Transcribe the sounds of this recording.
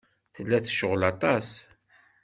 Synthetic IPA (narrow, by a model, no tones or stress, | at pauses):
θəlːæθʃəʁlɑt̪ˤɑs